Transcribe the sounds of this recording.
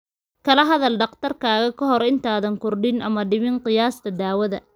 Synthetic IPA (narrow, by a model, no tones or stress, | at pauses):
kʰɐlɐɦɐðɐlɖɐqt̪ʰɐrkʰaːɣɐkʰɐɦɔɾɪnt̪ʰaːðɐŋkʰʊrɖɪnʔɐmɐɖɪmɪnqɪjaːst̪ʰɐd̪aːwɐðɐ